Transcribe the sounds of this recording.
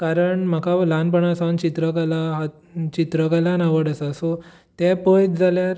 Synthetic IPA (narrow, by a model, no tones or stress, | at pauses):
kaɾəɳm̤akʰalanpəɳ̃asant͡ɕit̪ɾəkalaɦa | t͡ɕit̪ɾəkalanaʋəɽəsasɔ | t̪ɛpəjd͡zaljaɾ